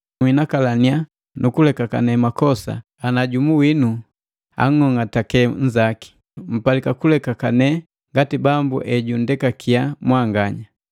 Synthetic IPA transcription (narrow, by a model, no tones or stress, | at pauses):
winakalania | nukulɛkaka̰nɛmakɔsa̰ː | naɟumuwinu | a̰ŋ̩ɔŋatakɛɲ̩d͡ʒaki̥ | m̩palikakulɛkakanɛ | ŋɡatibambṵʔɛɟundɛkakʰiamwaŋɡaɲa